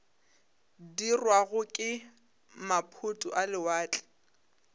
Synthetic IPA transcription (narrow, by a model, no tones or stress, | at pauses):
dirwaɣʊkʼɪ | mapʰʊtʼʊʔalɪwaːt͡ɬʼɛ̥